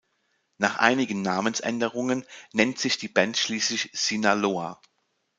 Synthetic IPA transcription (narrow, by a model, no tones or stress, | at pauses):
naːχʔa̰ɪnɪɡən̩ːaːmənsʔɛ̰ndəʁ̞ʊŋənnɛntz̥ɪçd̥iːbɛntʃliːslɪçz̥inaloːa̰